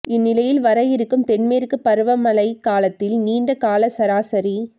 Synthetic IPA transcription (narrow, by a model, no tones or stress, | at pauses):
ɪnːɪlɐjɪlʋɐɾɐjɪɾɯkːɯmt̪ɛnmeːɾɯkːɯpɐɾɯʋɐmɐlɐɪkaːlɐt̪ːɪlniːɳɖɐkaːlɐsɐɾaːsɐɾi